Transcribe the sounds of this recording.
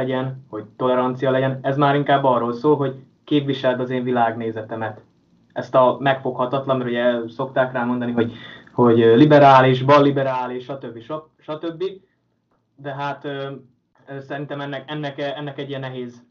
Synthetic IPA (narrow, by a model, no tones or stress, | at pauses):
ɛɟɛnho̞ɟ̚t̪o̞lɛɾɒnt̪sijɒlɛɟɛnɛzmaːɾiŋkaːbːɒːrːoːlsoːlɦo̞ɟ | keːpviʃɛlt̪ɒzeːɱvilaːɡneːzɛt̪ɛmɛt̪ | ɛst̪ɒmɛkfo̞khɒt̪ɒt̪lɒnmɛɾuɟɛso̞kt̪aːkraːmo̞nd̪ɒniɦo̞ɟho̞ɟlibɛɾaːliʒbɒlːibɛɾaːliʃʃɒt̪ø̞bːiʃɒ | ʃɒt̪øbːi | d̪ɛɦaːt̪ː | sɛɾint̪ɛmɛnːɛkɛnːɛkɛnːɛkɛɟːijɛnːɛɦeːz